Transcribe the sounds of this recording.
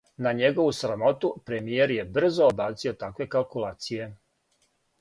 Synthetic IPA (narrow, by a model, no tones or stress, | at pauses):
naɲeɡo̞ʋusɾamo̞t̪upɾemije̞ɾje̞br̩zoːbaːt̪sio̞t̪akʋe̞kalˠkulaːt̪sije̞